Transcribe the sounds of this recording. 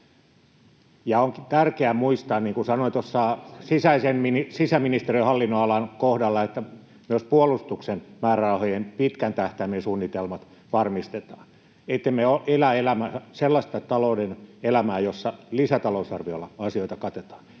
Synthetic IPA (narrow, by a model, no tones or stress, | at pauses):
jɑoŋkt̪ærkeæmuist̪ɑːnniːŋkusɑnoit̪osːɑːsisæisemminisisæminist̪eriehɑlːinːoɑlɑnkohdɑlːɑet̪ːæ | myøspuolust̪uksenmæːrærɑuhojempit̪kænt̪æht̪æmensuːnːit̪elmɑt̪ | ʋɑrmist̪et̪ɑ̥ːn | et̪ːemmeoʔelæelæmææselːɑst̪ɑt̪ɑloudenelæmæːjosːɑlisæt̪ɑlousɑrʋiolːɑɑsioit̪ɑkɑt̪et̪ɑ̥ːn